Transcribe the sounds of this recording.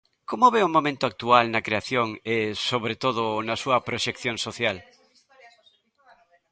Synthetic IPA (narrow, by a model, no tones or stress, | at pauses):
komoβeʊmomẽnt̪ʊak̚t̪ualnɐkɾeaθjoŋesoβɾet̪oð̞ʊnɐsuɐpɾoʃekθjoŋsoθjal